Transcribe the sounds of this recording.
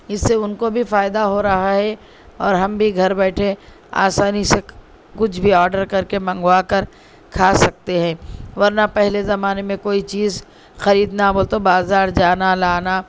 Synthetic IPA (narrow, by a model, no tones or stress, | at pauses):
ɪsːeʊnkobʱifaːɪd̪aɦoɾɐɦaɦɛ | ɔːɾɦɐmbʱiɡʱɐɾbɛːʈʰe | a̰ːsaːnise | kʊt͡ʃʰbʱiɔːɾɖəɾkɐɾkemɐ̃ŋɡwaːkɐɾ | kʰaːsɐk̚t̪eɦɛ̃ːʋɐɾnapɛɦlezɐmaːnemẽkoːit͡ʃiːz | xɐɾiːd̪naboːlt̪obaːzaːɾd͡ʒaːnalaːna